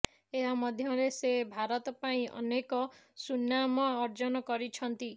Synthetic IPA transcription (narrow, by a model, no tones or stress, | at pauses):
eɦamɔd̪ʱjɔɾesebʱaɾɔt̪ɔpaĩʔɔ̰nekɔsunːamɔːɾd͡ʒɔnɔkɔɾit͡ʃʰɔnt̪i